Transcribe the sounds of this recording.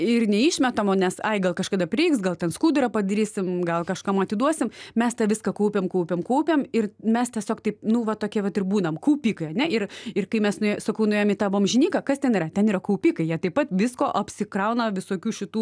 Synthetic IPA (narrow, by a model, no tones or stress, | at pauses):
ɪrnʲɛiːʃʲmʲɛt̪ɐmoːnʲɛsɐɪɡɐlˠkɐʃkɐd̪ɐpʲɾʲɪɪksɡɐlˠt̪ʲɛnskuːd̪ʊɾɐpɐd̪ɐɾʲiːsʲɪmɡɐlˠkɐʃkɐmɐt̪ʲɪd̪uɔsʲɪmmʲɛst̪ɐʋʲɪskɐkɐʊpʲeːmkɐʊpʲemkɐʊpʲemɪrmʲɛst̪ʲiɛsʲoːkt̪ɐɪp̚nʊʋɐt̪oːkʲiɛʋɐt̪ɪrbuːnɐmkuːpʲiːkɐɪɐnʲɛɪrɪrkɐɪmʲɛsnʊesɐkɐʊnʊeːjomit̪ɑːbʋoɔmʒʲɪnʲiːkɐkɐst̪ʲɛniːrɐt̪ʲɛniːɾɐkuʊpʲiːkɐɪjiɛt̪ɐɪp̚pɐt̪ʋʲɪskoːʔɐpʲsʲɪkrɐʊnɐʋʲɪsoːkʲuːʃʲɪt̪uː